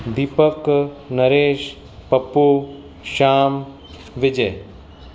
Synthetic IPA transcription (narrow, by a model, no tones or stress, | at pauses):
d̪ipəknɐɾeːʃ | pɐpːo | ʃaːm | ʋɪd͡ʒɐj